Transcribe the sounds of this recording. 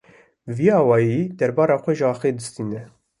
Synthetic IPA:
viɑːwɑːjiːd̪ɛɾbɑːɾɑːxʷɛʒəɑːxeːd̪ɨst̪iːnɛ

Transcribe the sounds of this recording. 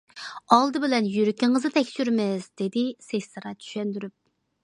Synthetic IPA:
ɑlˠd̪ɨbɪlɛnjyɾykʲʰɪŋɨzɨt̪ʰɛkʲsyɾmɪz̥d̪̥ɪd̪ɪsesʲsɨɾɑt͡ʃʰy̥ʃɛnd̪yɾyp̚

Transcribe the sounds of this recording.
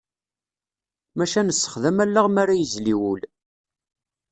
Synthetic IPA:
mæʃænəsːə̥χðəmælːaʁmæɾæjəzliwul

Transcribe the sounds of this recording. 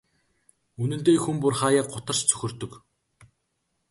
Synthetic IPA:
unɵ̆nt̪eːxumpʊrχaːjaːq̚ɢʊt̪ə̆r̥t͡ɕt͡sʰɵ̥xʲɵ̆rt̪ɵ̆k

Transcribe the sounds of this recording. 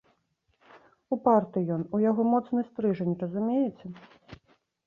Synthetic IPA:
upart̪ɨjɔnujaɣɔmɔt̪snɨsʲt̪ɾɨʐɐnʲrɐzumʲejɛt͡sʲɛ

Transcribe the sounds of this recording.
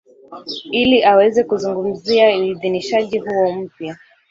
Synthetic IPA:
iliʔawɛzɛkuzuŋɡum̩ziauiðiniʃaʄiɦuɔm̩pja

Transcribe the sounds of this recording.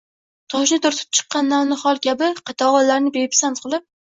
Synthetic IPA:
t̪ʰɒʃnɪt̪ʰʊɾt̪ʰɪ̥p̚t͡ʃʰɨ̥qːɑnːawnɪχɒlˠkʲabɪqʰɑt̪ʰɒʁɒlːaɾnɪbepsant̪qʰɨlˠɪp̚

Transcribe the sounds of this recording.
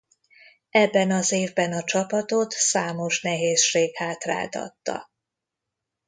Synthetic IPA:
ɛbːɛnɒzeːvbɛnɒt͡ʃɒpɒt̪o̞t̪saːmo̞ʃnɛɦeːsʃeːɡhaːt̪ra̰ːt̪ɒ̰t̪ːɒ̰

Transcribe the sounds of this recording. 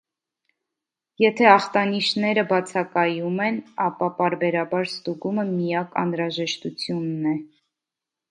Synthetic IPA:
jɛt̪ʰɛɑχt̪ɑniʃnɛɾəbɑt͡sʰɑkɑjumɛnɑpɑpɑɾbɛɾɑbɑɾst̪uɡuməmijɑkɑ̰nɾɑʒɛʃt̪ut͡sʰjunːɛ

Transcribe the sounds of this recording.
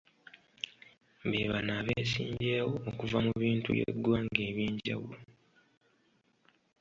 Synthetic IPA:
beβanaːβeːsiːɲɟe̞ːwo̞ːkuvamuβiːntṵjḛdwaŋɡe̞ːβjiːɲɟa̰wulo

